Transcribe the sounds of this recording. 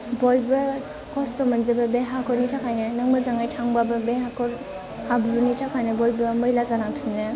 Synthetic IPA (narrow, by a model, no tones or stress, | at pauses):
bɔjbɯ | kɔstɔmanzebɐbeɦakʰɔɾnitʰakʰajnɯnaŋmazaŋajtʰaŋbabɯbeɦakʰɔɾ | habuɾunitʰakʰajnɯbɔjbɯmɯjlazaɾaŋbsinɯ